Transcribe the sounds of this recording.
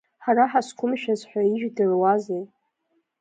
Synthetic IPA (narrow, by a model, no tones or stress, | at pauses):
ħaɾaħaskʷʰʊmʃᶣazħʷᶣaiʒᶣdɨrwazejtʼ